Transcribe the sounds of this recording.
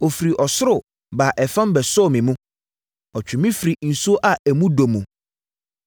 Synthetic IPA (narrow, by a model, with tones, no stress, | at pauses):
o˨fɾi˨ʔɔ˨sʊ˦ɾʊ˨ | ba˨ʔɛ˨fã˦m˦bɛ˨sʊ˦˨mɪ̃˨mũ˦ | ɔ˨t͡ɕᶣʰʊ˨mĩ˦fɾi˨n̩˨su˦o˦ʔa˨æ˨mũ˦do˨mũ˨